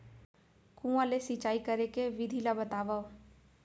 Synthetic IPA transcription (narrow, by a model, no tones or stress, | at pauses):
kũãlesit͡ʃaːikəɾekeʋɪd̪ʱilabət̪aːʋa